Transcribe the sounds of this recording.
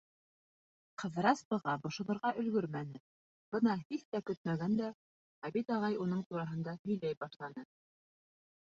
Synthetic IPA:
qɤ̆ðɾɑsbɤ̆ʁɑbŏʃŏðɤ̆ɾʁɑʔɵ̆lɡɵɾmænɘ | b̥ɤnɑhiθt̪ækɵt̪̚mæɡænd̪æ | æβit̪ɑʁɑjunɤɴt̪uɾɑɦɤ̆nd̪ɑhɵ̆jlæjbɑʃlˠɑnɤ

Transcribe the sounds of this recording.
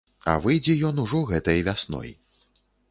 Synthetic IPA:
ɐ̰vɨjd͡zʲɛjɔnuʐɔɣɛt̪ɐjɐvʲasnɔ̰j

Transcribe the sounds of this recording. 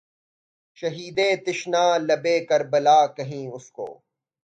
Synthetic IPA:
ʃɐɦiːd̪eːt̪ɪʃnaːlɐbeːkɐɾbɐlaːkɐɦĩːʊsko̰ː

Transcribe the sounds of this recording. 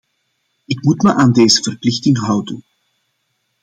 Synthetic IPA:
ɪkmutməʔaːndeːzəv̥ərplɪxtɪŋɦʌwdən

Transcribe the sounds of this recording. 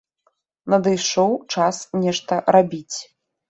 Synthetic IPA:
nɐd̪ɨjʂɔwt͡ʂasnʲɛʂt̪ɐɾabʲit͡sʲ

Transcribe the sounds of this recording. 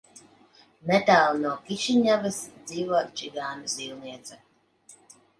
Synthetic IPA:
mɛt̪aːlˠnuɔkiʃiɲʲavɨsd̪ziːvɔɔt͡ʃiɡaːnɨsilˠniɛt̪sa

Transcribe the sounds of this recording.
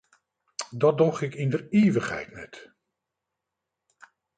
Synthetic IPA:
dɑt̚dɔχɪkɪndəɹeːʋəχɦɛ̰jtnɛ̰t

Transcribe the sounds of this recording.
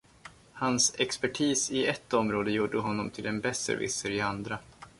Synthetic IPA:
hansɛkspæʈʰiːsɪɛt̪ːɔmɾoːd̪əjuːɖːəɦɔnːɔmt̪ʰɪlɛnbɛsə̰ɾvɪ̰səɾɪand̪ɾa

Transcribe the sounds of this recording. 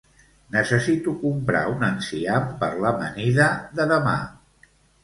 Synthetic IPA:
nəsəsit̪ukumpɾa̰unənsiampəɾləməniðəðəðəma̰

